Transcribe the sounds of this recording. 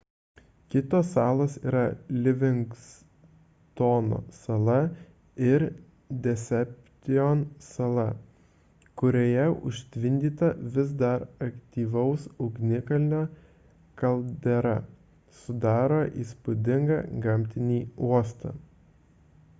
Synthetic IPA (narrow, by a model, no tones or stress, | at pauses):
kʲɪt̪oːsɑːlˠoːsḭːɾɐlʲɪʋʲɪŋks | t̪oːno̰ːsɐlˠɐ | ɪɾ | d̪ʲɛsʲɛp̚ʲt̪ʲɪonsɐlˠɐ | kʊɾʲoːjɛʊ̰ʃʲt̪ʲʋʲɪnʲd̪ʲiːt̪ɐʋʲɪzd̪ɐɾɐkt̪ʲiːʋɐʊsʊʊɡnʲɪkɐlʲnʲoː | kɐlˠd̪ʲɛɾɐ | sʊd̪ɑːɾoːʔiːspʊd̪ʲɪŋɡɑ̰ɡɐmʲt̪ʲɪnʲiːuɔst̪ɐ̰